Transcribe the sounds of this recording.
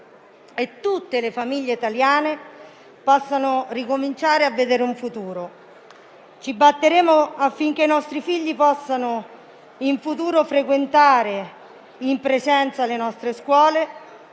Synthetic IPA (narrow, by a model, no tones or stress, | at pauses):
et̪ːut̪ːelefamiʎːeit̪aljaːne | pɔsːanorikomint͡ʃaːɾeavːed̪eːɾuɱfut̪uːɾo | t͡ʃibːat̪ːeɾeːmoafːiŋk̟einɔst̪ɾifiʎːipɔsːano | iɱfut̪uːɾofɾekwent̪aːɾe | impɾezɛnt̪salenɔst̪ɾeskwɔːle